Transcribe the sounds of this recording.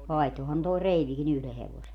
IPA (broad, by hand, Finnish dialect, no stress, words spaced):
ʋɑihtohɑn toi reiʋikin yhle heʋose